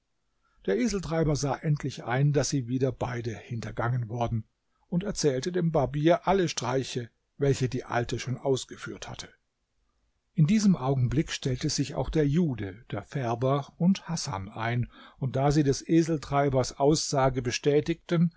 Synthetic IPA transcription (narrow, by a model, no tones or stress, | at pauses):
d̥eːɐʔeːzl̩tʁ̥aɪbɐzaːʔɛntʰlɪçʔa̰ɪndasz̥iːviːdɐbaɪdəhɪntɐɡaŋənvʊɐdn̩ | ʊntɛɐt͡sɛːltədeːmbaɐbiːɐʔaləʃtʁ̥aɪçə | vɛlçədiːʔa̰ltəʃoːnʔaʊsɡ̥əfyːɐtha̰tʰə̥ | ʔɪndiːzəmʔaʊɡŋ̩blɪkʃtɛltəz̥ɪça̰ʊxd̥eːɐjuːdəd̥eːɐfɛɐbɐʊnthasa̰naɪnʊnt̚d̥aːziːdɛsʔeːzl̩tʁ̥aɪbɐsʔaʊsz̥aːɡəbəʃtɛːtɪk̚tən